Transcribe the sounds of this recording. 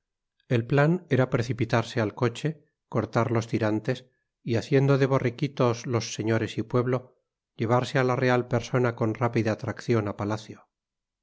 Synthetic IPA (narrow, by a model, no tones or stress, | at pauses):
e̞lplane̞ɾapɾe̞θipit̪aɾse̞alko̞t͡ʃe̞ | ko̞ɾt̪aɾlo̞st̪iɾant̪e̞s | iaθje̞nd̪o̞ðe̞β̞o̞rekit̪o̞zlo̞sːe̞ɲo̞ɾe̞sipwe̞βlo̞ | ʎe̞β̞aɾsealare̞alpe̞ɾso̞nako̞nrapiðaːt̪ɾakθjo̞napalaθjo